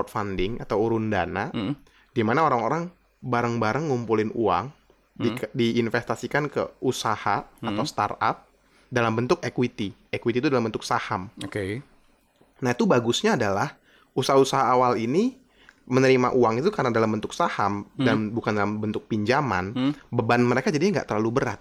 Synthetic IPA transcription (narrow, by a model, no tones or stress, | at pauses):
ɔt̪̚fandɪŋat̪awuɾʊndana | dimanaoɾaŋoɾaŋ | baɾəŋbaɾəŋːumpulɪnṵaŋ | idiːnfest̪asikankə̰usahaat̪awst̪a̰ra̰p̚ | dalambənt̪ʊkekwit̪iekwit̪it̪udalambənt̪ʊk̚sahamoke | nahit̪ubaɡusɲaːdalah | usaɦausaɦaːwalini | mənəɾima̰ʔuaŋit̪ukarənadalambənt̪ʊksahamdanbukandalambənt̪ʊk̚piɲd͡ʒama̰nbəbanməɾekad͡ʒadiaŋɡa̰ʔt̪ərlalubəɾa̰t̪̚